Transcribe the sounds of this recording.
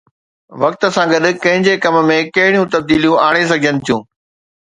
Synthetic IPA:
ʋɐk̚t̪̆sãːɡɐɗ̆kɐ̃ɦɪ̃ɲd͡ʑekɐmmẽkɐɦɪɽijũt̪ɐb̚d̪iːlijũaːɽ̃es̬ɐɡʱd͡ʑənɪ̆t̪ʰijũː

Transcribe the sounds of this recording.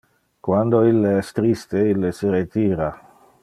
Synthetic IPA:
kwand̪oilːeɛst̪ɾist̪eilːeseɾet̪iːɾa

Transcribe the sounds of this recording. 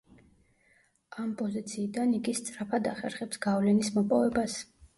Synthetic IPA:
ampʼɔzit̪sʰiːd̪aniɡist̪sʼɾapʰad̪aχɛ̰ɾχɛpsɡavlɛnismɔpʼɔvɛbas

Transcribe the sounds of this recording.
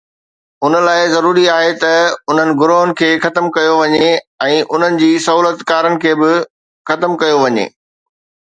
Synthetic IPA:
ʊnə̆laːɪzɐɾuːɾiaːɦet̪ɐʊn̤ənɪ̆ɡʊɾoɦənɪ̆kʰeːxɐt̪əmkɐjoʋɐɲeɛ̃ːʔʊn̤ənɪ̆d͡ʑiːsɐɦuːlət̪kaːɾənɪ̆kʰeːbɪ | xɐt̪əmkɐjoʋɐɲḛː

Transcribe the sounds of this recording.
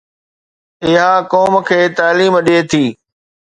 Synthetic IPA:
ɪɦakɔːmkʰeːt̪aːliːmɗeːt̪ʰiː

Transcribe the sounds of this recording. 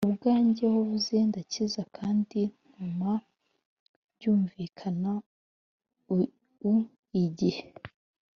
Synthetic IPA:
ubɡaːɲɟehoβuzendacizakʰaːndin̥uma | bɟuːɱviːkʰana | u | iɟihe

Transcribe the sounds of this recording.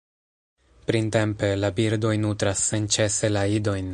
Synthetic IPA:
pɾinte̞mpe̞labiɾdo̞jnutɾasːe̞nt͡ʃe̞se̞laido̞jn

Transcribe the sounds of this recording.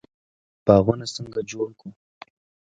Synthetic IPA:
pɑɣunasəŋɡad͡ʒoɽku

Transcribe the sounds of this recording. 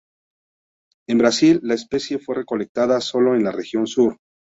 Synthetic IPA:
embɾasilːaespe̞sje̞fwe̞re̞ko̞le̞k̚t̪aðaso̞lo̞e̞nlare̞xjo̞nsuɾ

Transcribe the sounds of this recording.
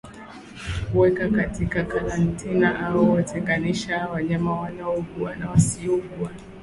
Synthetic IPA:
kuwɛkakatikakaɾantʰinaʔaɔwatʰɛŋɡaniʃawaɲamawanaɔɡuanawasiɔɡua

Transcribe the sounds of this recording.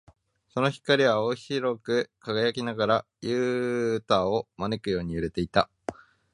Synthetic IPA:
so̞no̞çi̥kaɾʲiβaoçiɾo̞kɯ̟kaɡajakʲinaɡaɾa | jɯ̟ːt̪aːo̞mane̞kɯ̟jo̞ːɲ̟iɯ̟ɾe̞t̪e̞it̪a

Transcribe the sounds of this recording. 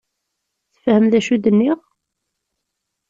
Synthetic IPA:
θə̥fhəmðæʃud̪ənːiʁ

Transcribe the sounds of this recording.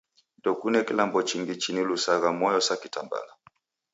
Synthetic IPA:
ndɔkunɛkilambɔt͡ʃiŋɡit͡ʃinilusaɣamɔjɔsakitamba̰la

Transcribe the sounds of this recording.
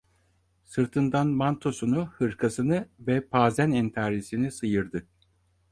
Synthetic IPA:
sɯɾt̪ʰɯnd̪anmant̪ʰo̞sunuhɯɾkʰasɯnɯvɛpʰaːzænɛnt̪ʰaːɾisinisɯjɯɾd̪ɯ

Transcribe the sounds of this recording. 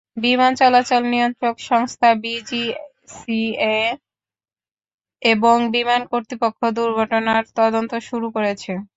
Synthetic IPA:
bimant͡ɕɔlat͡ɕolnijont̪ɾokʃɔŋst̪ʰabid͡ʑi | sie | eboŋbimankoɾt̪ɾipokʰːod̪uɾɡʱɔʈonaɾt̪ɔd̪ont̪oʃuɾukoɾet͡ɕʰe

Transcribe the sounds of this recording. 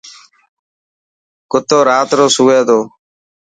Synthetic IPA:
kʊt̪oːɾaːt̪ɾoːsʊːɡeːd̪oː

